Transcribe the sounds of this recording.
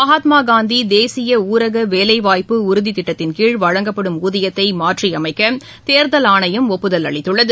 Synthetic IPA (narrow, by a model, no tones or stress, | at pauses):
ɐɦaːt̪maːɡaːnd̪id̪eːsɪjɐuːɾɐɣɐʋeːlɐɪʋaːjpɯʊɾʊðit̪ɪʈːɐt̪ːɪnkiːɻʋɐɻɐŋɡɐpːɐɽɯmuːðɪjɐt̪ːɐɪmaːʈriɐmɐɪkːɐ | t̪eːɾðɐlaːɳɐjɯmɔpːɯðɐlɐ̰ɭɪt̪ːɯɭːɐðɯ